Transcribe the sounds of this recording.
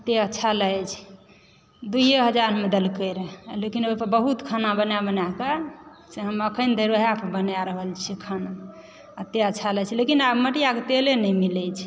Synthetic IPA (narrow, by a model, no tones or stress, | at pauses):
ət̪ːeətːʃʰaləjt͡ʃʰ | d̪uiɦeɦəd͡ʒaɾmed̪əlkəjɾelekinojpəɾbəɦut̪kʰanabənabənakaseɦəməkʰənd̪ʱəjɾəɦjapəbənjaɾəɦəlt͡ʃʰikʰana | ət̪ːeətːʰalət͡ʃʰilekinabməʈijaket̪elenɛjmilɛt͡ʃʰ